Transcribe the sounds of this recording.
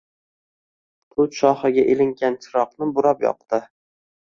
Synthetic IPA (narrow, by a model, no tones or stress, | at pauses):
t̪ʰʊt̪ʃɒχɨɡʲaʔelɪŋɡʲant͡ʃʰɪɾɒqnɪbʊɾapjɒ̰q̚t̪ɪ